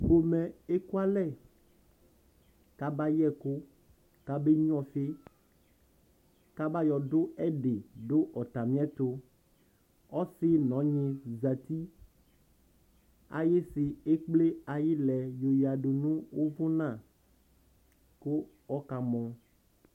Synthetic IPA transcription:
ɸo˨mɛ̃˨e˦ku˦a˦lɛ˦˨ | ka˦ba˦jɛ˦ko˦ | ka˦be˦ɲ˦ɔ̃˦fe˦ | ka˦ba˦jɔ˨ɖo˦ɛ˦ɖe˨ɖo˦ʔɔ˨t̪a˨mĩ˦ɛ̃˦t̪o˦ | ɔ˦si˦nɔ̃˨˦ɲẽ˨za˨t̪i˦ | a̰˨je˦si˨e˦k͡ple˦a˨ji˦lɛ˨jo˨ja˨ɖo˨nũ˦wo˦vo˦nã˦˨ | ko˦ | ɔ˦ka˨mɔ̃˨

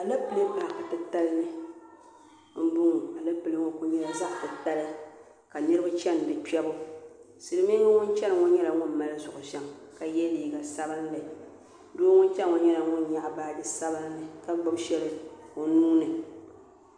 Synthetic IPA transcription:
a˨lɨ˦pɨ˨lɨ˦m˦ba˨ka˨tɨ˦ta˦lnɨ˦ | m̩˦bʊ˦ŋ˨a˨lɨ˦pɨ˨lɨ˦ŋo˦ku˦ɲɛ˦la˨za˦ʔtɨ˨ta˦lɨ˦ | ka˨nɨ˦ɾɨ˦bʊ˦t͡ʃɛ˦n˨dɨ˨pɛ˦bʊ˦ | sɨ˨ɾɨ˦m˦i˦ɛ˦ŋʊ˦nt͡ʃɛ˦nɨ˨ŋʊ˦ɲɛ˦la˨ŋʊ˦n˨ma˦lɨ˦zʊ˨ʔʊ˨ʃɛ˦ŋka˨jɛ˦li˨˦˨ɡa˨sa˦bɨ˦n˦lɨ˨ | doː˦ŋʊ˦n˦t͡ʃɛ˦n˦ŋʊ˦ɲɛ˦la˨ŋʊ˦nɲa˦ʔbaː˦dɨ˦sa˦bɨ˦n˦nɨ˨ka˦ɡ͡bʊ˦bʃɛ˦lɨ˦o˦nuː˦nɨ˨

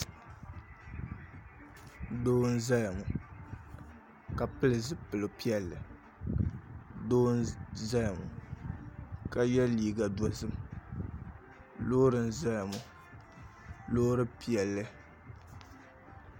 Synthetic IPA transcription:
doː˦n̩˦za˦ja˨mu˨ | ka˨pɨ˦lɨ˨zɨ˦pɨ˨lo˨pi˦ɛ˨lːɨ˨ | doː˦nza˦la˨mṵ˨ | ka˦jɛ˦liː˨ɡa˨da˨zɨ˦m˦ | loː˦ɾɨ˨n̩˦za˦la˨mu˨ | loː˦ɾɨ˦pi˦ɛ˨lːɨ˦

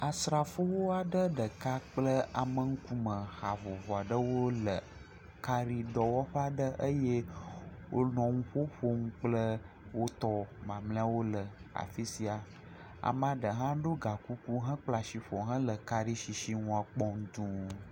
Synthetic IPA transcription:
a˨sɾa˨fo˦wo˦a˨ɖə˦ɖə˨ka˦k͡plə˦a˨mə˨ŋ̩˦ku˦mə˨xa˨vɔ˨vɔ˨a˨ɖə˦wo˦lə˨ | ka˦ɾi˦ɖɔ˨wɔ˦ɸə˦a˨ɖə˦ʔə˦je˦wʔo˦nɔ̃˨ŋũ˦ɸo˦ɸo˦ŋũ˦k͡plə˦ | wo˦t̪ɔ˦mã˨mlɛ̃˦a˦wo˦lə˨a̰˨fi˦si˦a˨ | a̰˨mã˦ɖə˨ɦã˦ɖo˦ɡa˨ku˦ku˦ɦã˦k͡pla˨ʃi˨ɸɔ˨ɦã˦lə˨ka˦ɾi˦ʃi˨ʃi˦ŋũ˦a˨k͡pɔ˦ŋ˦d̪ũ˨

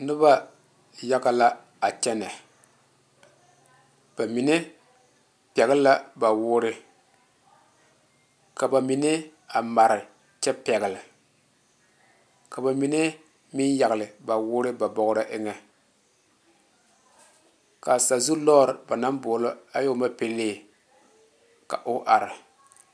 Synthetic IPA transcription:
nɪ˦ba˦ | ja˦ka˦la˦ | a˨t͡ʃɛ˦nɛ˨ | b̥a˨mi˨nɛ˦ | pɛ˨ɣɪ˦lla˦ba˨wʊː˦ɾɪ˦ | ka˨ba˨mi˨nɪ˦a˨ma˨ɾɪ˨ | t͡ʃɛ˦pɛ˨ɡɪ˨lɪ˨ | ka˨ba˨mi˨ne˦ | mɪ˦nja˨ɣɪ˨lɪ˨ba˨wʊː˦ɾɪ˦ba˨bɔ˨ɣɾa˦ʔɪ˦ŋɛ˦ | ka˨sa˨zu˦lɔː˦˨ɾɪ˨ba˨na˦mboː˨lo˦a˦jo˦ma˦pe˦leː˦˨ | ka̰˨ʔʊ˦ʔa˨ɾɪ˨

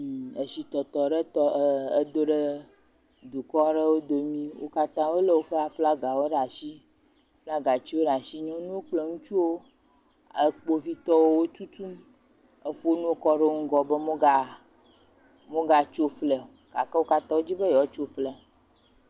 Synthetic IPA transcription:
e˨si˨t̪ɔ˨t̪ɔ˨ɖə˦t̪ɔ˦ə˦d̪o˦ɖə˦ | d̪u˨kɔ˦ɖə˦wo˦d̪o˨mĩ˦wo̰˦ka˦t̪ã˦wo˦lə˦wo˦ɸa˦fla˦ɡa˨wo˦ɖa˨ʃi˦ | fla˦ɡa˨t͡ɕi˦wo˦ɖa˨si˦ɲɔ̃˦nũ˦o˦k͡ple˦˨ŋũ˦t͡ʃu˦wo˦ | ə˨k͡po˦vi˦t̪ɔ˦wo˦wo˦t̪u˦t̪u˦m | ə˦fu˦o˦nũ˦wo˦kɔ˦ɖe˦ŋ̩˦ɡɔ˨be˦mõ˦ɡa˦ | mõ˦ɡa˨t͡ʃo˦flə˨ | ka˨kə˦wo˦ka˦t̪ã˦wo˦d͡ʑi˦bə˦jɔ˨˦t͡ʃo˦flə˨

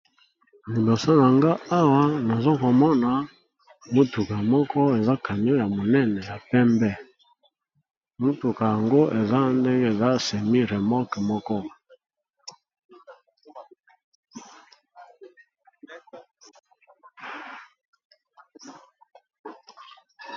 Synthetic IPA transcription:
mi˨lo˨sa˦na˨ŋɡa˦a˦wa˦na˨zo˦ko˨mɔ˦na˨ | mo˦tu˨ka˨mɔ˦kʰɔ˦e˨za˦ka˨ɲ˦o˦ja˨mo˨nɛ˦nɛ˨ja˨pɛ˦mbɛ˦˨ | mo˦tu˨ka˨ja˨ŋɡo˦ʔe˨za˦nde˦ŋɡe˦˨za˦˨sɛ˨mi˦ʁe˨mɔ˦kmɔ˦kɔ˦

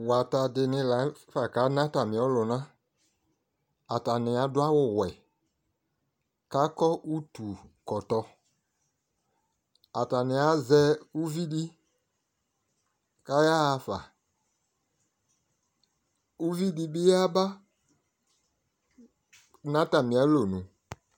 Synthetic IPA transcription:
wa˨ta˨dɪ˨nɪ̃˧la˨˦fa˨ka˨˦nã˦ta˨mɪ̃˨ɔ˨˦lʊ˨nã˦ | a˨ta˨nɪ˨a˨˦dʊ˦a˦wʊ˦˨wɛ˨ | ka˨˦kɔ˦ʔu˦tu˨kɔ˨tɔ˧ | a˨ta˨nɪ˨a˦zɛ˦u˦vi˦di˦ | ka˦ja˦˧fa̰˨ | u˦vi˦di˦bɪ˦a˦ba˦ | nã˦ta˨mɪ̃˨a˨˦lo˨nũ˨

